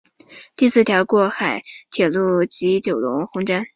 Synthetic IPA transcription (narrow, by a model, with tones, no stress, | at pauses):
t̪i˥˧sɹ̩˥˩t̪ʰjɑ˧˥ʊkwɔ˥˩xa˨˩˦ɪt̪ʰjɛ˨˩lu˥˩t͡ɕi˧˥t͡ɕjo˨˩ʊlʊ˧˥ŋxʊ˧˥ŋʈ͡ʂa˥n